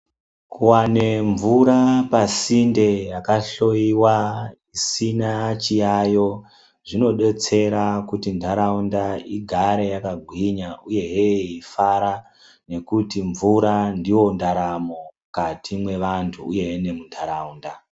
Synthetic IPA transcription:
kuwane̞ɱvuɾapasinde̞jakaɬo̞iwaisinat͡ʃijajo̞ | ʐino̞ɗe̞t͡se̞ɾakutintaɾaundaiɡʱaɾe̞jakaɡʱwiɲauje̞ɦeifaɾa | ne̞kutiɱvuɾandiwo̞ndaɾamo | katimwe̞ʋantʰuːje̞ɦene̞muntʰaɾauːnda

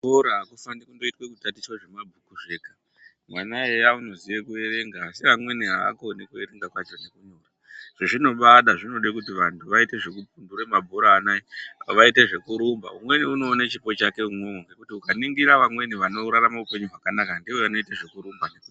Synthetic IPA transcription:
bʱoɾaakufandikundo̞itwekutatiswaʐe̞mabʱukuʐe̞kḁ | mwanaejauno̞ziʋekue̞ɾe̞ŋɡaːsiamwe̞niɦaa̰konekue̞ɾe̞ŋɡakwat͡ʃo̞ne̞kuɲora | ʐ̥eʐino̞ɓaɗaʐino̞ɗekutiʋantʰuʋaite̞ʐe̞kup̚unduremabʱoɾaːnaiʋaite̞ʐe̞kuɾumba̰ṵmwe̞niuno̞ːnat͡ʃipo̞t͡ʃake̞umnoːŋɡekutiukaniŋɡiɾaʋamwe̞niʋano̞uɾaramaupe̞ɲuɦwakanakandioano̞iteʐe̞kuɾumbaneku

